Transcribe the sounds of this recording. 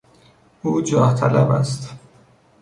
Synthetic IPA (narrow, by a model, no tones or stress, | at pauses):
uːd͡ʒɒːht̪ʰæ̰læbæ̰st̪